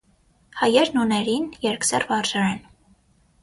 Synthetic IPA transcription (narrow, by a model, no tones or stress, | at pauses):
hɑjɛɾnunɛɾinjɛɾksɛrvɑrʒɑɾɛn